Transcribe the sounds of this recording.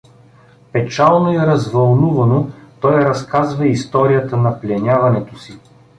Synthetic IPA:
pɛt͡ʃalˠnoɛɾɐzvɐlˠnuvɐnot̪ɔjɾɐskazvɐist̪ɔɾijət̪ənɐplʲɛnʲavɐnɛt̪osi

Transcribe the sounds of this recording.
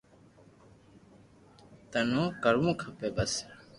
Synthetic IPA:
t̪ənõːkəɾũːkʰəpeːbəs

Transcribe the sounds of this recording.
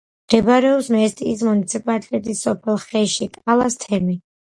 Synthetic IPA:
md̪̥ɛbaɾɛɔpsmɛst̪ʼiːs̬munit̪sʰipʼalit̪ʼɛt̪ʼisːɔpʰɛlˠχɛʃit̪ʼalˠast̪ʰɛmi

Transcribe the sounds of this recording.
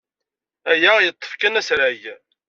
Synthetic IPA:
æjæjət̪ˤːə̥fkænæsɾaʝ

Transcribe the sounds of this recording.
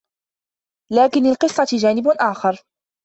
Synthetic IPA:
laːkɪnalqɨsˤːɑd͡ʒaːnɪbʔaːxɑɾˤ

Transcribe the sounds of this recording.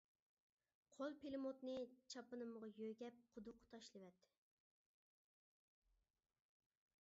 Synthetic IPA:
qʰolˠpelɪmot̪nɨt͡ʃʰɑpɨnɨməʁɑjøɡʲɛp̚qʰʊd̪ʊqʰːt̪ʰɑʃlˠɨwɛt̪ʰːɪ̥

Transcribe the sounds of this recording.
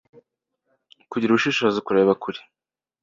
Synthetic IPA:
kuɟiɾuβuʃiːʃozikuɾe̞ːβakuɾi̥

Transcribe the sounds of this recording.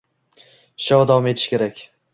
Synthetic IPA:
ʃɒwd̪awɒme̞t̪ʰɪ̥ʃkʲe̞ɾakʲ

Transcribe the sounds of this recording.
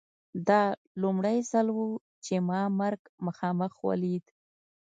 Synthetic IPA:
d̪ɑ | lumɽajzalwu | t͡ʃemɑmaɾɡməxɑməxwa̰lid̪

